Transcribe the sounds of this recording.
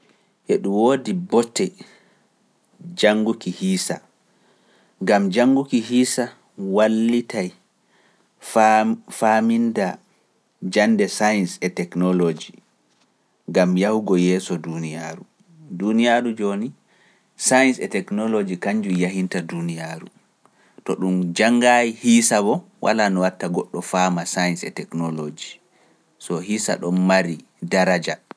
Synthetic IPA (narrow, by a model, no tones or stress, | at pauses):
ʔɛɗumwoːdibɔtʰːɛ | d͡ʒaŋɡukihiːsa | ŋɡamd͡ʒaŋɡukiɦiːsa | walːitaj | faminda | d͡ʒandɛsajnsɛtɛknɔlod͡ʒi | ŋɡamjahuɡɔjɛːsɔdunijaːɾu | dunijaɾud͡ʒoni | sajnsɛtɛknɔlod͡ʒikaɲd͡ʒujaɦintadunijaɾṵ | tɔɗumd͡ʒaŋːɡajihisabɔ | wʔa̰lanɔwatːaɡɔɗːɔfamasajnsɛ̰tɛknɔlod͡ʒi | sɔɦisa̰ɗɔnmaɾi | daɾad͡ʒa